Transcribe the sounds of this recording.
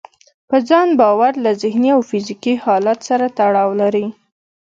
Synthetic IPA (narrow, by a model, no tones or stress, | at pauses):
pəd͡zɑnbɑwaɾlazɪhniawfɪzikihɑlat̪saɾat̪aɽɑwlaɾi